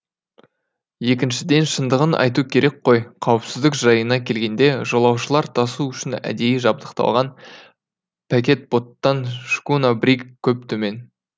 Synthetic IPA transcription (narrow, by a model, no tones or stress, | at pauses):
je̞kʲɪnʃɪd̪e̞nʃənd̪əʁənʔɑ̰jt̪̬ukʲʰe̞ɾʔe̞k̚qʰo̞jqʰɑwəpsɪzd̪ɪkʒ̥ɑjənɑkʲʰe̞lɡʲe̞nd̪e̞ʒolˠɑwʃəlˠɑɾt̪ʰɑsuʏʃɪnæ̰d̪e̞jɪʒɑb̚d̪əqt̪ɑ̰lˠʁɑn | pʰɑkʲe̞t̪̚b̥o̞t̪ːɑnʃkunabɾikkʲʰːɵp̚t̪ʰɵme̞n